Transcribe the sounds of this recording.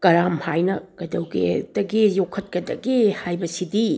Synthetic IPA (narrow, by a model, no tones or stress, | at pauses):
kɐɾamhajnɐɡ̥ɐdɐwɡḛdɐɡejokʰːɐt̚kɐdɐɡehajbɐsidi